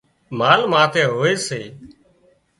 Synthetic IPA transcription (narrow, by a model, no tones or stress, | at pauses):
maːlmãːt̪ʰeːɦoːeːseː